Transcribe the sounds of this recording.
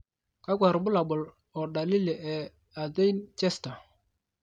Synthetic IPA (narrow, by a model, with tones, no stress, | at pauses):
ka˦ɡʷa˨ɾbʊ˦la˨bʊ˨l | ɔ˨ɗa˨lɪ˦lɛ˨ʔɛ˨ | a˨de˦jnt͡ʃɛ˦sta˨